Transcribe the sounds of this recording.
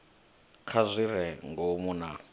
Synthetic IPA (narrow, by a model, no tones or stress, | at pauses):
kʰazʷiɾɛŋɡomuna